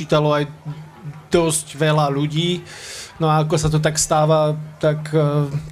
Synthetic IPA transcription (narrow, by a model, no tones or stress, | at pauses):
iːt̪alɔaj | d̪̥ɔsɟʋɛlaʎuɟiːnɔaakɔsat̪ɔt̪̬akst̪aːʋat̪akː